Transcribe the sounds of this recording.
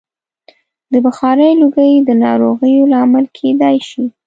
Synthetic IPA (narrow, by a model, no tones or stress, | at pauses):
d̪əbaxɑɾəjluɡəjd̪ənɑ̰ɾoɣəjolɑaməlkʰed̪ajʃi